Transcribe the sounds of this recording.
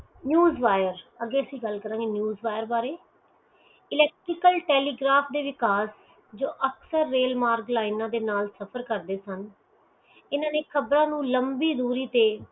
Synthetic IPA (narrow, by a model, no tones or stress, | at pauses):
njuːzʋaːjəɾəɡeːəsĩːɡəlkəɾãːɡeːnjuːzʋaːjəɾbaːɾeː | ɪlɛːk̚ʈɾɪkəlʈɛːliːɡɾaːpʰd̪eːʋɪkaːs | d͡ʒoːʔəksəɾːeːlmaːɾɡlaːinãːd̪eːnaːlsəpʰəɾkəɾd̪eːsən | ɪnãːneːkʰəbɾãːnũːləmbiːd̪uːɾiːt̪eː